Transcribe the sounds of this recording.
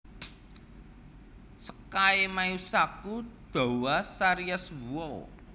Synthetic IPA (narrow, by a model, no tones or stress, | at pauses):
sə̥kaemajusakud̪̥ɔ̤wasaɾiaswuo